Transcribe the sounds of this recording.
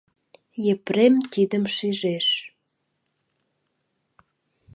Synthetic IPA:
jepɾemt̪id̪əmʃiʒeʃ

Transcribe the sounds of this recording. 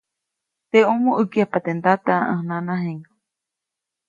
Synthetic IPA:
t̪eomuʔɨkiapat̪end̪at̪aaʔə̃hnãnãɦeŋa

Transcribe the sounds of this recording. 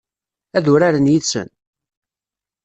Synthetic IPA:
æðʊɾaɾənjit͡sːə̰n

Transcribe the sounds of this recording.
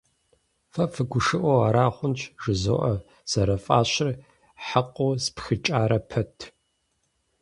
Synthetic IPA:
fɐfɨɡʷʊʂɨʔʷɔaːɾaːχʷʊnt͡ʃʰʼʒ̥ɨzo̰ːʔɐ | z̥ɐɾɐfʼaːɕɪr | ħaqʷʼoːspxɨt͡ʃʼaːɾɐpʰɐtʰ

